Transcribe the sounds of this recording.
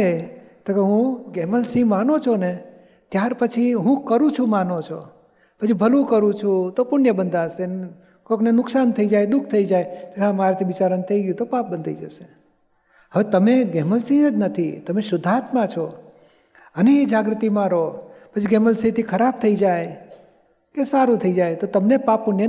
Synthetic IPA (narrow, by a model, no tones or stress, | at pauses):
et̪okeɦũɡeməlsĩmanot͡ʃʰone | t̪jaɾpət͡ʃʰiɦũkəɾũt͡ʃʰũmanot͡ʃʰo̰ | pət͡ʃʰibʱəlũkəɾũt͡ʃʰũt̪opʊɳjəbənd̪ʱasen | koknenʊksant̪ʰəid͡ʒajd̪ʊkʰt̪ʰəid͡ʒajt̪okamaɾet̪ʰiʋɪt͡ʃaɾənt̪ʰəiɡjũt̪opap̚bənd̪ʱaid͡ʒəʃe | ɦəʋet̪əmeɡeməlsĩəd͡ʒ̪nət̪ʰit̪əmesʊd̪ʱat̪mãt͡ʃʰo | əneid͡ʒaɡɾət̪imãɾopət͡ʃʰiɡeməlsĩt̪ʰikʰəɾab̚t̪ʰəid͡ʒaj | kesaɾũt̪ʰəid͡ʒajt̪ot̪əmnepapːʊɳjə